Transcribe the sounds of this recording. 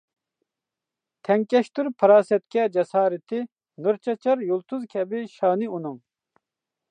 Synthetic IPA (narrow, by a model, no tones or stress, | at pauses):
t̪ʰɛŋkʲɛʃt̪uɾpʰɐɾɑːsɛt̪̚kʲɛd͡ʒɛsɑːɾɪt̪ʰɪ | nuɾt͡ʃʰɐt͡ʃʰɑɾjulˠt̪ʰuzkʲʰɛbiʃɑːniunuŋ